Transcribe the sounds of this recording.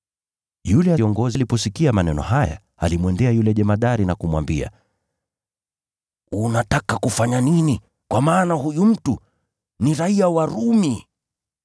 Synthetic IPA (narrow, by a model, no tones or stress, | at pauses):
julɛaɔŋɡɔzilipɔsikiamanɛnɔ̰ɦaja̰ | alimwɛndɛajulɛʄɛmaɗaɾinakumwa̰mbia̰ | unatakakufaɲanini | kwamaːnahujum̩tu | niɾaiawaɾumi